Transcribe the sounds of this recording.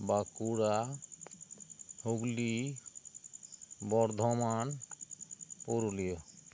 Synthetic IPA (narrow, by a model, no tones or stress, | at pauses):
bakuɽa | hoɡli | bɔɾd̪ʱɔman | poɾolijɔ